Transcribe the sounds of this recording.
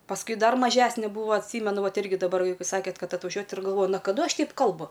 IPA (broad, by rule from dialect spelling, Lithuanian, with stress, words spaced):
pɐsˈkʊɪ ˈdɐr mɐˈʒʲæːsʲnʲɛ ˈbuːʋɐ ɐtʲˈsʲiːmʲɛnʊ ˈʋɐt ˈɪrʲɡʲɪ dɐˈbɐr pɐˈsɑːkʲeːt ˈkɐt ɐtʋɐˈʒʲuɔjɛt ɪr ɡɐlˠˈʋoːjʊ nɐ kɐˈdʊ ˈɐʃ ˈtʲɛɪp ˈkɐlˠbʊ